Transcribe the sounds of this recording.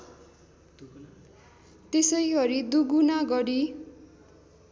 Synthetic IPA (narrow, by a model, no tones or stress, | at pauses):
t̪esʌjɡʌɾid̪uɡunaɡʌɽi